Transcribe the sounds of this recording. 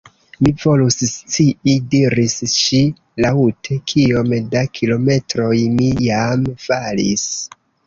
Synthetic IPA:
mivo̞lusst͡siidiɾisʃi | lautʰe̞kʰio̞mdakʰilo̞me̞tɾo̞jmijamfalis

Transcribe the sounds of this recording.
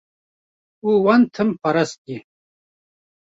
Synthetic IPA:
uwɐnt̪ʰɨmpɐɾɐski

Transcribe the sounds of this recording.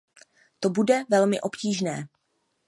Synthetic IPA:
t̪o̞budɛvɛlmɪʔo̞pciːʒnɛː

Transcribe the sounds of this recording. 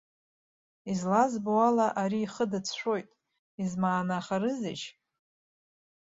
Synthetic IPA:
izlazboalaʔaɾiːχədɨt͡sʰʃʷo̞jtʼ | izmaːnaχaɾɨzɪt͡ʃʰ

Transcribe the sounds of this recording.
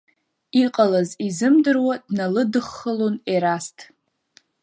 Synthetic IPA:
iqʼalazizɨmdɨrwadnalɨdɨχːəloneɾastʰʼ

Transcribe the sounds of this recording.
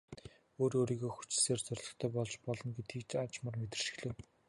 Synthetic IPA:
oːɾoːɾiːɣoːxu̥t͡ɕ̆ɮseːrt͡sœrʲɮɞ̆xt̪ʰœːpɔɮt͡ɕpɔɮɞ̆nɡet̪ʰiːkt͡ɕat͡ɕmə̆rmet̪ɘ̆rʃɪ̥̆xɮĕːw

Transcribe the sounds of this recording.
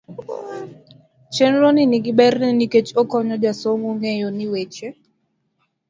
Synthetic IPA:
t͡ʃɛnɾonɪniɡɪbɛrnɛniket͡ʃokɔɲɔd͡ʒasomuŋejoniwet͡ʃe

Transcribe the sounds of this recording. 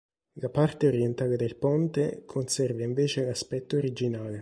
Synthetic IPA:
lapart̪eoɾjent̪aːled̪elpɔnt̪ekʰonsɛrvaiɱveːt͡ʃelaspɛt̪ːoːɾid͡ʒinaːle

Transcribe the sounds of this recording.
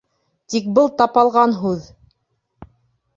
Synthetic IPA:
t̪ik̚bɤlˠt̪ɑpɑlˠʁɑnɦʉð

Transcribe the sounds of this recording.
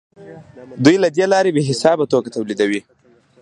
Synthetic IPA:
d̪ujlad̪elɑɾebeɦɪsɑbat̪okat̪awlid̪awi

